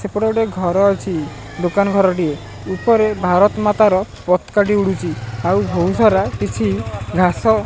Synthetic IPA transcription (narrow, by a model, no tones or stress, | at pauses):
sepɔɽɔɖeɡʱɔɾɔːt͡ʃʰi | d̪okanɔɡʱɔɾɔʈie | upɔɾebʱaɾɔt̪ɔmat̪aɾɔpɔt̪kaʈiuɽut͡ʃʰiawbʱousɔɾakit͡ʃʰiɡʱasɔ